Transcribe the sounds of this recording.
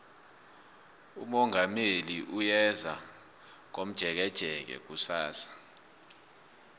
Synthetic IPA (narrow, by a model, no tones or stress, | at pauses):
umɔŋʱameliʔujɛza | ŋ̬om̩d̥ʒ̥ʱɛk̬ɛd̥ʒ̥ʱɛk̬ɛ̰k̬usaːsḁ